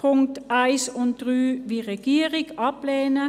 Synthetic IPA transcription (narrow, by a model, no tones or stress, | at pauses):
pʰʊŋk̚tʔæɪsʊnt̚d̥ʁyːʋiːʁɛɡ̥iːəʁɪɡʔɑpleːnə